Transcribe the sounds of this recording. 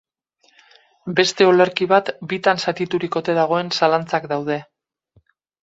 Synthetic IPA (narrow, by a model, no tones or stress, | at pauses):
be̞st̪e̞o̞leɾkiβ̞at̪bit̪ansat̪it̪uɾiko̞t̪e̞ðaɣ̞o̞e̞nsalant͡sakd̪awð̞e̞